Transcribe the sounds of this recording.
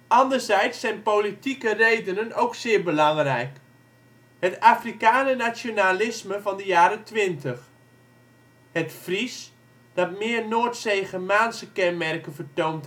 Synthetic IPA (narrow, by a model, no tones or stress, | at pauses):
ʔɑndərzɛjtsːɛjnpolitikərejdənənowksɪːɹbəlɑŋrɛjk | hətaːfrikaːnənat͡sjonalɪsməvɑndəjaːɾətʋɪntəx | hətfris | d̥ɑtmɪːrnoːtsejɣəmaːnsəkɛnmɛrkənvərtownt